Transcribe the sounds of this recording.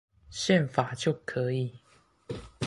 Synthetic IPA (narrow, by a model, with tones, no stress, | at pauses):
ɕjɛ˥˨nfa˨˩t͡ɕjo˥˨ʊkʰɤ˨˧˥i˨˦